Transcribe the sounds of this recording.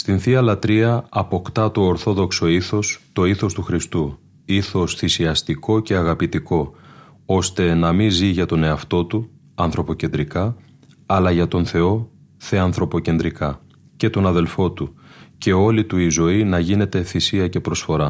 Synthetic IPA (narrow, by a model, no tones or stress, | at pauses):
st̪inθiɐlɐt̪ɾiɐɐpo̞kt̪ɐt̪oːɾθo̞ðo̞kso̞iθo̞st̪o̞iθo̞st̪uxɾist̪u | iθo̞sθisiɐst̪iko̞ce̞ɐɣɐpit̪iko̞ | o̞st̪e̞nɐminziʝɐt̪o̞ne̞ɐft̪o̞t̪u | ɐnθɾo̞po̞ce̞nd̪ɾikɐː | lɐʝɐt̪o̞nθe̞o̞ | θe̞ɐnθɾo̞po̞ce̞nd̪ɾikɐ | ce̞t̪o̞nɐðe̞lfo̞t̪uce̞o̞lit̪uizo̞inɐʝine̞t̪e̞θisiɐce̞pɾo̞sfo̞ɾɐ